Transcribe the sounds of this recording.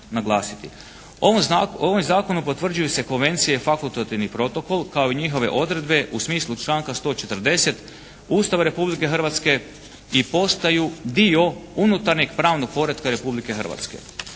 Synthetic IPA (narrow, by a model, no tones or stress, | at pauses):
naɡlˠaːsit̪i | oʋomzaːko̞nupot̪ʋr̩d͡ʒujuse̞ko̞nʋe̞nt̪sijefakulˠt̪at̪iʋnipɾo̞t̪o̞ko̞lˠkao̞iɲixo̞ʋe̞̰ʔo̞d̪ɾe̞d̪be̞ʔusmiːslˠut͡ʃlˠaːŋkast̪o̞t͡ʃe̞t̪ərd̪e̞se̞t̪ | uːst̪aʋaɾe̞publike̞xr̩ʋat̪ske̞ | ipo̞st̪ajud̪io̞unut̪aɾɲeɡpɾaːʋno̞ɡ̚po̞ɾet̪kaɾe̞publike̞xər̩ʋa̰t̪ske̞̰